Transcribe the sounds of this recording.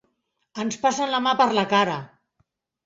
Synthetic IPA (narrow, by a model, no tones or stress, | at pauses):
ənspasənləmapəɾləkaɾə